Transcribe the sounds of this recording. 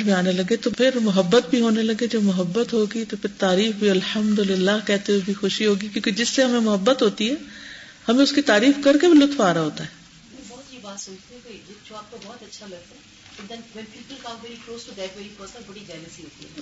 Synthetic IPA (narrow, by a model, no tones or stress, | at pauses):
bʱiaːnelɐɡet̪opʰɪɾmʊɦəbːət̪bʱiɦoːnelɐɡed͡ʒoːmʊɦəbːət̪ɦoːɡit̪opʰɪɾt̪aːɾiːfbʱiɐlhəmd̪ʊlɪlːaːɦkɛːt̪ewebʱixʊʃiɦoːɡikjõːked͡ʒɪsːeɦɐmẽmʊɦəbːət̪ɦoːt̪iɦɛː | hɐmẽʊskit̪aːɾiːfkɐɾkebʱilʊt̪faːɾaɦoːt̪aɦɛ̃ː | bɔːt̪jeːbaːt̪soːt͡ʃt̪eɛ̃koijet͡ʃʊaːp̚t̪obɔːt̪ɐtːʃʰalɐɡ̚t̪a | ʊd̪ɐnʋɛlpiːpəlkãːmmeːɾikɾoːstoɡɛːkʋeːɾikoːsabɐɽid͡ʒaːləsiɦoːt̪iɛ